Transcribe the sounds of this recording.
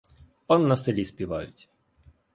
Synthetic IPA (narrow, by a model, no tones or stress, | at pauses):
ɔnːɐselʲispʲiʋɑ̰jʊtʲ